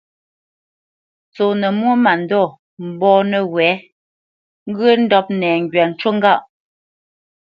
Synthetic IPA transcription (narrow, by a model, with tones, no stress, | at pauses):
t͡so˨nə˨mwo˦ma˨n˨dɔ˦˨ | m̩˨bɔː˦nə˨ɣwɛː˨˦ | ŋ̩˦ɡə˦n̩˦dɔ˦p̚nɛː˨ŋ˨ɡɥa˨n̩˨˦t͡ʃo˦ŋɡa˦˨ʔ